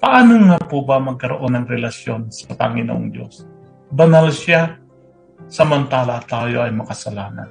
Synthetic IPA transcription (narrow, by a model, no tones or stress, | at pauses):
pɐʔaːnoŋapubɐmɐɡ̚kɐɾo̰ʔo̞nɐŋɾɛlɐsjo̞nsɐpɐ̰ŋɪno̰ʔoŋd̪jo̞̰s | bɐnalʃa | sɐmɐnt̪aːlɐt̪aːjo̞ʔɐjmɐkɐsɐlaːnɐ̰n